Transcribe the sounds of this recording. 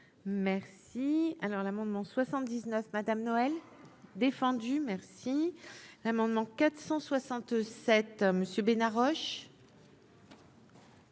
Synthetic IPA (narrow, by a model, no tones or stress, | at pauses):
mɛʁsialɔʁlamɑ̃d̪mɑ̃swasɑ̃t̪̚d̪iznœfmad̪amnɔɛl | d̪efɑ̃d̪ymɛʁsilamɑ̃d̪mɑ̃kat̪χsɑ̃swasɑ̃t̪sɛt̪məsjøbenaʁɔʃ